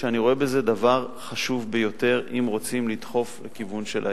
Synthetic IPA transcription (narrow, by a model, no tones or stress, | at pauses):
ʃeaniʁo̞e̞beze̞d̪avaʁ | χaʃuvbejo̞t̪e̞ʁimʁo̞t͡simlit̪χo̞flekivunʃelʔa̰